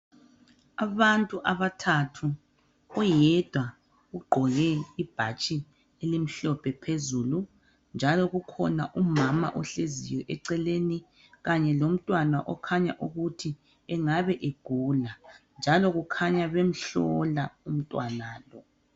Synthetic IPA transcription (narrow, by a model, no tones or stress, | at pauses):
aβantʼuʔaβatʰatʰu | ɔjɛd̥ʱwa | ɣuɡ͡ǃʱɔɣɛib̥ʱat͡ʃʼi | elim̩ɬɔpʰɛpʰezulu | nd͡ʒʱalɔɣukʰɔ̰naʔumama̰ʔɔɬezijwɛʔɛǀɛleni | ɣaɲɛlom̩tʼwanaʔɔkʰaɲa̰ʔuɣutʰi | ɛŋaβɛʔeɡ̥ʱuland͡ʒʱalɔɣukʰaɲaβem̩ɬɔlaum̩tʼwanaːlɔ